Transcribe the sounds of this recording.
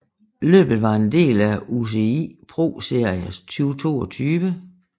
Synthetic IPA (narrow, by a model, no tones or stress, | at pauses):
lø̰ːb̥ð̩ˠʋɑ̈e̝nd̥e̝̰ːlæus̬e̝ipʰʁo̝̰ːse̝ɐ̰iəst͡sʰyːʊt͡sʰo̝̰ːɒt͡sʰyːʋə